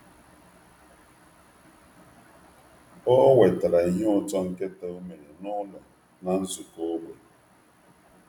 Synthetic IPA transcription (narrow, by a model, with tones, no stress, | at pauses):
ɔ˦we˨ta˨ɾa˨i˨ɦe˦ʊ˨t͡ʃɔ˦ŋ̩˦ke˦ta˨u˦me˨ɾe˨nʊ˦lɔ˨ | na˨n̩˦zʊ˨ko˦ɡ͡bʷe˨